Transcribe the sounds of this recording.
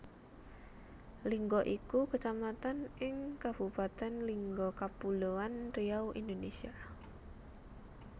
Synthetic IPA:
liŋɡɔʔikukət͡ʃamat̪anʔɪŋkab̥upat̪ɛnliŋɡɔkapuloanriawʔḭnd̪onesia

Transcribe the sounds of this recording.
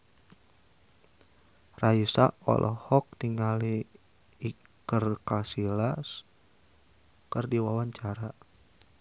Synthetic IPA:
rausa̰ʔɔ̰lʔɔhɔk̚tiŋaliː | kərkasilas | kɨrdiwawaɲt͡ʃaɾa

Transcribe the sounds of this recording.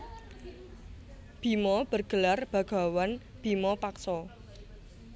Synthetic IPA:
b̥i̤mɔb̥ərɡ̥ə̤larb̥ä̤ɡ̥a̤wan | b̥i̤mɔpaksɔ

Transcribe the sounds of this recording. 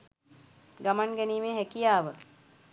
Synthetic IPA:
ɡamaŋɡɛniːmeːɦækijaːʋə

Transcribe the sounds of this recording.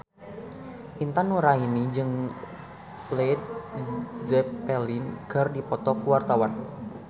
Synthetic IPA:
ʔint̪anuɾainid͡ʒɨŋ | plet̪̚ | zɛpɛlinkɨrdipɔt̪ɔkuwart̪awan

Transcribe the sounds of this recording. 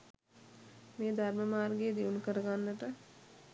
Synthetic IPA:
meːd̪ʱaɾməmaːɾɡeːd̪iunkəɾəɡanːəʈə

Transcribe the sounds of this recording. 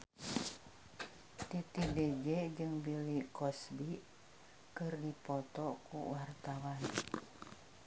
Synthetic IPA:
t̪it̪ided͡ʒɛd͡ʒɨŋbilikɔsbi | kɨrdipɔt̪ɔkṵwart̪awan

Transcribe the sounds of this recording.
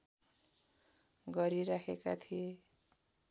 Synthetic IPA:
ɡʌɾiɾakʰeka̰t̪ʰije

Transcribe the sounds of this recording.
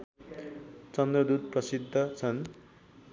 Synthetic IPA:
t͡sʌnd̪rʌd̪ud̪̚prʌsid̪ʱːʌt͡sʰʌn

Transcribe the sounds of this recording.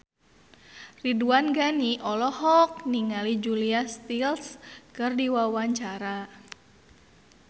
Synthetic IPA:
riduanɡaniʔɔlɔhɔk̚niŋalid͡ʒuliast̪ilskɨrdiwawaɲt͡ʃaɾa

